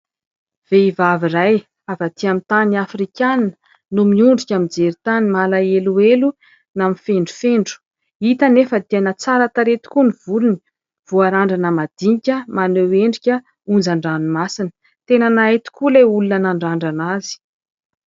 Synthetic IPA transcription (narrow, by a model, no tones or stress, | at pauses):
v̥eivaviraj | avat̪ʰiamit̪aniafrikʲanə̥ | numiuɳɖ͡ʐikʲamid͡zeɾit̪animalaeluelu | namifeɳɖ͡ʐu̥feɳɖ͡ʐu̥ | it̪ənefət̪ianat͡saɾat̪aɾet̪i̥kuniv̥uluni̥ | v̥uaɾaɳɖ͡ʐanəmad̪iɲikʲəmaneweɳɖ͡ʐikʲə | und͡zaɳɖ͡ʐanumasin̥ | t̪enanaet̪u̥kuleulunanaɳɖ͡ʐaɳɖ͡ʐanazi̥